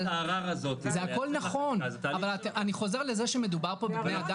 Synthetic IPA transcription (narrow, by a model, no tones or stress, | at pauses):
lʁaʁazot̪zeako̞lnaχo̞navalataniχo̞ze̞ʁle̞ze̞ʃeme̞d̪ubaʁpo̞bebnejad̪a